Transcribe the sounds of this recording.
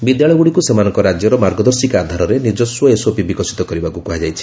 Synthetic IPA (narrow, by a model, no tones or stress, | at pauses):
bid̪jaɭɔjɡuɽikusemanɔŋkɔɾad͡ʒjɔɾɔmaɾɡɔd̪ɔɾsikad̪ʱaɾɔɾenid͡ʒɔswɔesopibikɔsi̥t̪ɔkɔɾibakukuɦad͡ʒajt͡ʃʰi̥